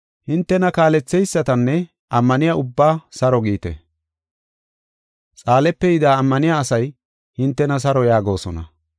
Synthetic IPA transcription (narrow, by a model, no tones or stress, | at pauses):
hɪnt̪ːɛnɐkaːlɛt͡sːɛjsːɐt̪ɐnːɛ | ʔɐmːɐnɪjaʊbːaːsɐɾɔɡiːt̪ɛ̰ | t͡sʼaːlɛpːɛjɪd̪aːmːɐnɪjaːsɐj | hɪnt̪ːɛnɐs̬ɐɾɔjaːɡo̞ːsɔnɐ̰